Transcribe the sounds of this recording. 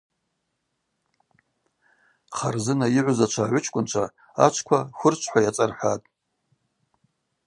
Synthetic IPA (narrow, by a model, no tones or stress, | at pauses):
χarzɨnaiʕʷʊzat͡ʃʷʰaːʕʷʊt͡ʃʰkʷʼʊnt͡ʃʷʰa | a̰t͡ʃʷʰkʷʰaxʷʊrt͡ʃʷʰħʷajat͡sʼarħʷatʼ